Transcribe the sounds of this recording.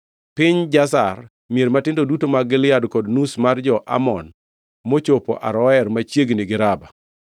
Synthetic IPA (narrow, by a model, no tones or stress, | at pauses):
pɪɲd͡ʒasa̰r | mieɾmatɪndodutomaɡɪlɪjadkɔdnusmard͡ʒɔʔa̰mɔn | mot͡ʃopo̰ʔa̰ɾɔɛrmat͡ʃjeɡnɪɡɪɾaba